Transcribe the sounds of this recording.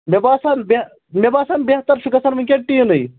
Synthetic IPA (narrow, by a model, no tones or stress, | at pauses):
mebaːsanbe | mʲebaːsanbʲeht̪ɐɾʃʰukɐsaːnʋɨŋʲkʲeʈːiːnɨj